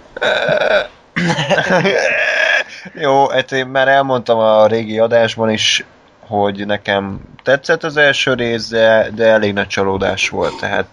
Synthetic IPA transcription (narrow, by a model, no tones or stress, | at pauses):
ø | joːɛt̪eːmmaːɾɛlmo̞nt̪ɒmɒɾeːɡiɒd̪aːʒbɒniʃ | ho̞ɟnɛkɛmt̪ɛt̪sɛt̪ːɒzɛlʃøːɾeːzd̪ɛd̪ɛɛleːɡnɒc̚t͡ʃɒloːd̪a̰ːʃʋo̞̰lt̪ːɛɦa̰ːt̪